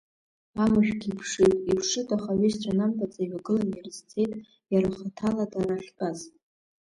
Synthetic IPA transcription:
amɨʃᶣɡʲipʰʂɨtʼipʰʂɨtʼaχaɥist͡ɕʷʰʼanamtʼat͡sʼaɥaɡɨlanjarɨzt͡sʰe̞jtʼ | jaɾaχatʰaladaraχʲkʼaz

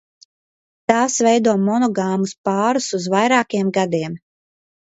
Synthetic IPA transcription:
t̪aːsvɛjd̪uɔmɔnɔɡaːmuspaːɾusuzvajɾaːkijɛmɡad̪iɛm

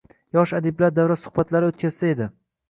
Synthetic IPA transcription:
jɒʃad̪ɪblaɾd̪awɾasʊ̥hbat̪laɾɪot̪̚kʲʰaz̥sae̞d̪ɪ

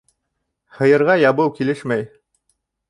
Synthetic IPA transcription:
hɤ̆jɤ̆ɾʁɑjɑbɤwkilɘʃmæj

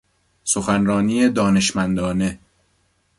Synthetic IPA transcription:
soxænɾɒːniːed̪ɒːne̞ʃmænd̪ɒːne̞

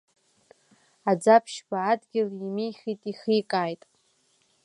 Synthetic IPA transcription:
ad͡zapʰʃbaːdɡʲɪlimejχitʼiχikʼaːjtʼ

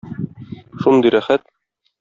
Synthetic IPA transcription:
ʃund̪ɤjɾæχæt̪̚

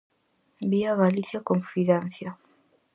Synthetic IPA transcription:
biavalisjakɔnfiðɛnsja

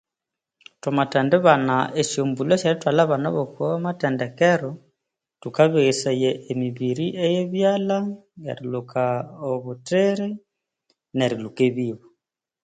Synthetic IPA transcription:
tomatɛndeβanaʔeʃjombuloʃeɾitwalaβana̰βokoamatɛndɛkɛɾo | tukaβeɣesejeʔːmiβiɾiʔejeβjalaɡḛɾilukaoβuteɾi | neɾilukeβiːβu

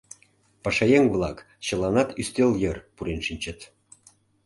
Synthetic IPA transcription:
pɑʃɑjeŋβlˠɑk | ɕə̆lɑnɑt̪yst̪øljərpuɾenʃinʲt͡ɕət̪

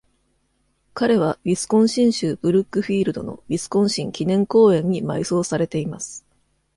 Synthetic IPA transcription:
kaɾe̞β̞abʲisɨ̥kõ̞ɰ̃ɕĩɰ̃ɕɨːbɯ̟ɾɯ̟kːɯ̟ɸʲiːɾɯ̟d̪o̞̰no̞̰bʲisɨ̥kõ̞ɰ̃ɕĩŋkʲinẽ̞ŋko̞ːẽ̞ɲ̟ːima̰iso̞ːsaɾe̞t̪e̞imasɨ̥

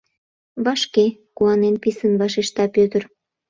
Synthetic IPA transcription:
βɑʃkekuɑnenpisənβɑʃeʃt̪ɑpøt̪ər

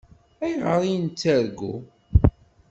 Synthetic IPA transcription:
æjʁəɾˤijnt͡sːæɾɡu

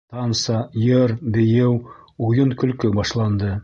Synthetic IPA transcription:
t̪ɑnsɑjɤɾbɘ̆jɘwujɤnkɵ̆lkɵbɑʃlˠɑnd̪ɤ

